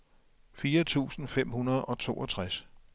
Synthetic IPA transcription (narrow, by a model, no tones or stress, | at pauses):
fiːɐt͡sʰṵːsn̩fem̰hunɐð̞̩ˠɒ̽t͡sʰo̝̰ːʔɒ̽t͡sʰʁas